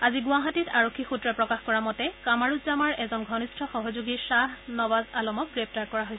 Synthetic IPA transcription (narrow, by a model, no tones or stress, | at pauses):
aziɡʊaɦatitʰaɹɔkʰːixutɹɛpɹɔkaxkɔɹamɔtɛkamaɹutzamaɹɛzɔnɡʱɔnistʰɔxɔɦɔzuɡisaɦnɔbazalɔmɔk̚ɡɹep̚taɹkɔɹaɦojs